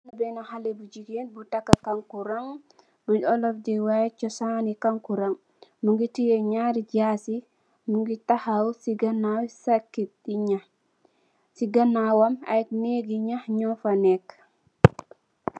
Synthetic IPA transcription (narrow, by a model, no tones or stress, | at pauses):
nabɛnahalɛbud͡ʒiɡenbutakːakaŋkuɾaŋ | buɔlɔfdiwat͡ʃɔsanikaŋkuɾaŋ | muŋɡitijɛɲaːɾiɟaːsi | muŋɡitahawsiɡanawsakːit̚ɗiɲah | siɡanːawama̰jk̚neɡiɲahɲɔfanɛk